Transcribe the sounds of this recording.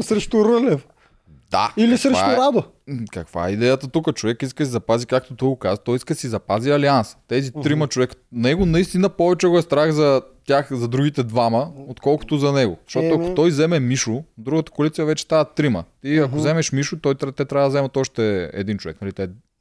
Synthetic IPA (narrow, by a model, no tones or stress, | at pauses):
sɾɛʃt̪uɾəlɛf | d̪̥a̰ilisɾɛvʃta̰ʊɾad̪o | kɐkva̰ɛ̰id̪ɛjət̪ət̪ukət͡ʃovɛkiskəsizɐpazikak̚t̪ot̪ɔjɡokazət̪ɔjiskəsizɐpaziɐlianst̪ɛzit̪ɾimət͡ʃovɛkə̥nɛɡonɐist̪inəpɔvɛt͡ʃɛɡoɛst̪ɾaxzɐt̪ʲaxzɐd̪ɾuɡʲit̪ɛd̪vaməot̪kɔlˠko̥t̪ʊzɐnɛɡo̰z̥ɐʃt̪ɔt̪oɐk̪kot̪ɔjzɛmɛmiʃʊd̪ɾuɡət̪ə̥kolit̪siɐvɛt͡ʃɛ̥st̪avət̪ːɾimə̰t̪iɐkozɛmɛʃmiʃʊt̪ɔjt̪t̪ɛt̪ɾʲavɐd̪ɐzɛmɐt̪ɔʃt̪ɛɛ̰d̪int͡ʃovɛ̰knɐlit̪ɛ